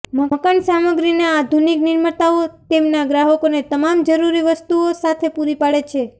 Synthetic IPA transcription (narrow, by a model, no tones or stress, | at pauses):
m̤əəkansaməɡɾinead̪ʱuniknɪɾmət̪aot̪emnaɡɾaɦəkonet̪əmamd͡ʒəɾuɾiʋəst̪uosat̪ʰepuɾipaɭet͡ʃʰe